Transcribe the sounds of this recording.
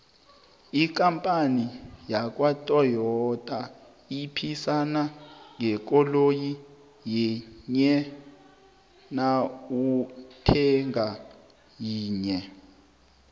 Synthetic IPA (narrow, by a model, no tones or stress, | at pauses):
ik̬ʼampʼanijak̬ʼwatʼɔjɔtʼa | ipʰisanaŋʱɛk̬ʼɔloji | jɛɲɛ | nautʰɛŋa | jiːɲɛ